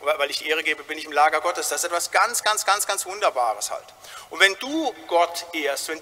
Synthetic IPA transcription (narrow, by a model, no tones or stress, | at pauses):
vavaɪlɪçd̥iːʔeːʁ̞əɡeːbəbɪnɪçɪmlaːɡɐɡɔtəsd̥asɪstʔɛtv̥asɡ̥ant͡sɡ̥ansɡ̥ansɡ̥ansv̥ʊndɐbaːʁəsha̰lt | ʔʊntv̥ɛnduːɡ̥ɔtʔeːɐstvɛn